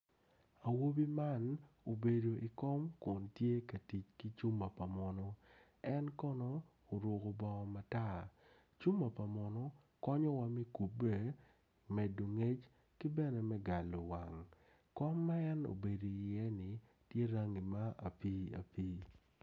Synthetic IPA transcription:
a˨wo˦bi˦ma˦n | o˨be˨do˨ʔi˨kɔ˦mkɔ˨ntje˦ka˨ti˨t͡ʃki˦t͡ʃu˦mːa˨pa˨mɔ˨nɔ˦ | ɛ˦nkɔ˦nɔ˦ | o˨ɾwo˨ko˨bɔ˦˨ma˨ta˦ | t͡ʃu˦mːa˨pa˨mɔ˨nɔ˦ | kɔ˦ɲɔ˦wa˦mi˦ku˨be˦ | mɛ˨do˨ŋe˦t͡ʃ | ki˦bɛ˦nɛ˨mɛ˦ɡa˨lo˨wa̰˨ŋ | kɔ˦mːa˦ɛ˦no̰˨be˨do˨i˨jɛ˦nɪ˨ | tje˦ɾa˦ŋi˨ma˦a̰˨pi˦a̰˨piː˦

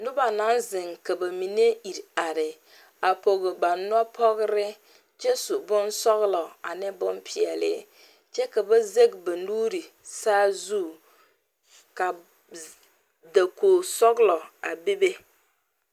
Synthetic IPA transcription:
nʊ˦ba˨na˨˦nzɪ˨ŋka˨ba˨mi˨ne˦i˨ɾa˨ɾɪ˨ | a˨po˨ɣɪ˨ba˨n˦ɔ˦pʰɔ˦ɣɾɪ˦ | t͡ʃɛ˦sʊ˨bʊ˦nsɔ˦ɣlɔ˨a˨nɪ˦bʊ˦mpʰɪ˨ɛ˨lɪ̰˦ | t͡ʃɛ˦ka˨ba˦ze˦ɡba˨nuː˦ɾi˨ | saː˦zu˦˨ | ka˨ | da˨koː˨sɔ˦ɡlɔ˨a˨be˦be˦

